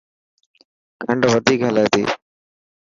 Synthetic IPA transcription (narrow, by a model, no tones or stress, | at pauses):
kʰəɳɖʋəd̪ʱiːkɦəlaːt̪ḭː